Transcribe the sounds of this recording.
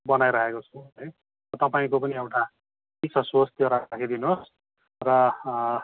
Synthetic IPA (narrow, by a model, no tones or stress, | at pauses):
bʌnajɾʌɦekot͡sʰuɦʌj | rʌt̪ʌpaĩkopʌniewʈa | kisʰʌswʌst̪joɾakkʰid̪inos | rʌ